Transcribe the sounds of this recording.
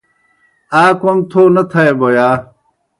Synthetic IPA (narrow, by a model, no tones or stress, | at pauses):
aːkomt̪ʰoːnɐt̪ʰɐeboːjaː